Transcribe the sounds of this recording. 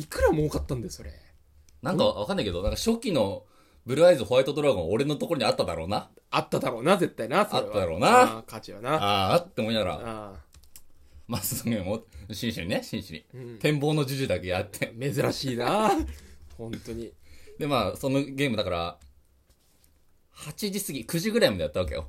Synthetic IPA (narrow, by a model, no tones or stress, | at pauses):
ikɯ̟ɾamoːkat̪ːãnd̪esoɾḛ | nãŋkaβakanːaike̞d̪o̞nãŋkaɕo̞kʲːino̞ | bɯ̟ɾɯ̟aizɨho̞ait̪o̞d̪o̞ɾaɡõ̞oɾe̞no̞t̪o̞koɾoɲ̟iat̪ːad̪a̰ɾo̞ːna | at̪ːad̪aɾo̞ːnaze̞t̪ːainasat̪ːad̪aɾo̞ːnakat͡ɕiβanaaːt̪ːeomoĩnaɡaɾa̰a | masooɡemoɕĩɰ̃ɕiɲineɕĩɕiɲʲḭ̃t̪ẽ̞mbo̞ːno̞d͡ʑɨʑɨd̪ake̞jat̪ːʰeme̞zɨɾaɕiːna | hõnt̪oɲ̟id̪e̞maːsono̞ɡʲe̞ːmɯ̟d̪akaɾa | hat͡ɕiʑisɨɡʲikɯ̟ʑiɡɯ̟ɾaimad̪eat̪ːaβake̞̰jo̰